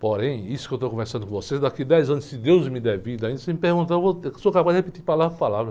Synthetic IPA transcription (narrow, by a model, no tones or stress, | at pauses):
poɾẽj̃isʊ̥kewt̪okõveɾsɐ̃d̪ʊkõvosezd̪akid̪ɛjzɐ̃nʊskɪd̪ewzmɪd̪ɛvid̪ɐĩd̪ɐsẽmɪpeɾɡũt̪aewvosokapazd̪ɪhepit̪ipalavɾpalavɾɐ